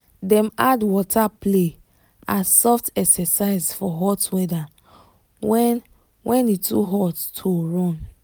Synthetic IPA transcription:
dɛ̃madwɔtʰaple | ãnsɔftɛksɛsaɪzfɔɦɔtwɛda | wɛ | wʔɛ̃nitʰṵɦɔtːʰoɹɔ̃n

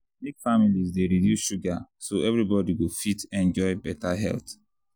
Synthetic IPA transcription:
nikfamilizdeɾidjuʃuɡasoɛvɹibɔdiwifitɛ̃nd͡ʒɔɪbɛtaɦɛ̰lt

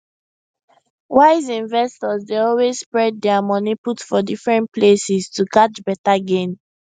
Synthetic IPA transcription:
waɪzĩnvɛstɔzdeɔlwezspɹɛd̚ːɛamɔniputfɔdifɹɛ̃nt̚plesistukat͡ʃbɛtaɡẽn

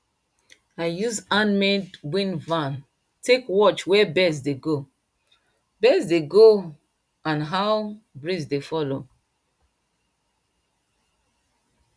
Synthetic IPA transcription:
aɪjuzãnmɛdbwĩnvãn | tʰekwɔt͡ʃwɛbɛsdeɡo | bɛsdeɡo | ãnɦawbɹisdefɔlo̰

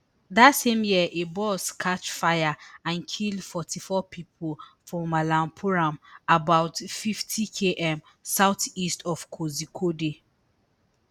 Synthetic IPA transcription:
ðatsẽmjiəʔebɔskʰat͡ʃfajaãnkʰildfɔtʰifɔpʰipʰolfɹɔ̃malãmpʰuɹãmabaʊtfiftʰikʰeʔɛ̃m | saʊtistʰɔfkʰozikʰode

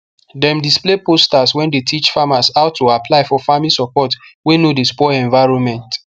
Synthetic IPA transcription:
dɛ̃mdisplepostaswɛ̃ndetʰit͡ʃfamasaʊtʰːoapʰlaɪfɔfamlisɔpɔtwenodespɔɛ̃ɱvaɪɹɔ̃nmɛ̃nt

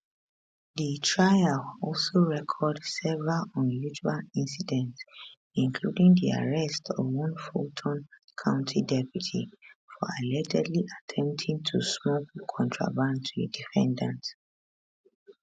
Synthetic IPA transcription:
ðitʰɹaɪalɔlˠsoɹɛkʰɔdsɛvɹalɔ̃njut͡ʃualĩnsidɛ̃nts | ĩŋkʰludĩŋdia̰ɹɛstʰɔvwɔ̃nfotʰɔ̃n | kʰãʊ̃ntʰidɛpʰjutʰifɔalɛd͡ʒɛdliʔatʰɛ̃mp̚tʰĩŋtʰusmɔkkʰɔ̃ntʰɹa̰bãntʰdifɛ̃ndãnt

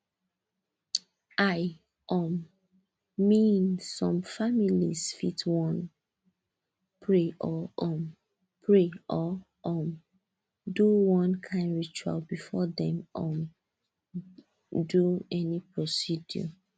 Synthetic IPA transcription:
ʔaj | ʔɔ̃mː | ĩnsɔ̃mfamilḭsfitwɔ̃n | pʰɹeʔɔʔɔ̃m | pʰɹeʔɔ | ʔɔm | duwɔ̃nkʰãɪ̃ndɹit͡ʃua̰lbifɔdɛ̃mɔm | duɛnipɹɔsidjɔ̰

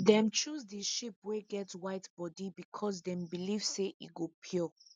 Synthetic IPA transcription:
dɛ̃mt͡ʃusdiʃipweɡɛtwaɪtb̥ɔdibikʰɔs̬dɛ̃mbilivseʔḭɡopʰɔ

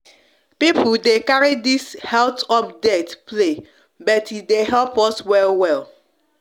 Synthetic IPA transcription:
pip̩dekaɹidishɛltɔpdɛtple | bɔtideɦɛlpɔswɛlwɛl

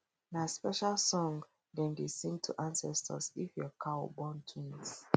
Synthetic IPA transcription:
naspɛʃalsɔ̃ŋ | dɛ̃ndesĩŋtʰuʔãnsɛstʰə̰sifjɔkʰaɔbɔ̃ntʰwĩns

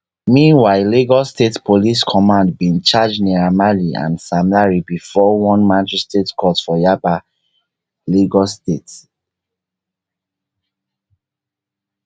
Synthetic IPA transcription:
mĩnwaɪliɡɔstetpʰoliskʰɔmãndbĩnt͡ʃad͡ʒniɹamaliã̰nsamlaɹibifɔwɔ̃nmãtɛstetkʰɔtfɔjaba | liɡɔstet

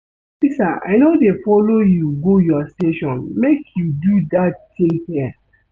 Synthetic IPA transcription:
sisaa̰ɪnodefɔlojuɡojɔsteʃɔ̃nmekʰjududattĩŋhɛa

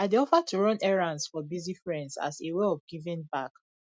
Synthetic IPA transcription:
adiɔfatʰuɹɔ̃nɛɹãnsfɔbizifɹɛ̃ndza̰seweɔfɡivĩnbak

